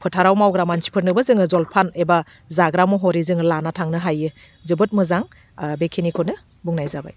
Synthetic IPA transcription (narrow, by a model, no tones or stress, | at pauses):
pʰɯtʰaɾawmawɡɾamansi̥pʰɯɾnɯbazɯŋɯzɔlpʰaneba | zaɡɾamɯɦɔɾizɯŋɯlanatʰaŋnɯɦajɯ | zɯbɯt̚mɯzaŋ | bekʰenikʰɔnɯ | buŋnajzaba̰j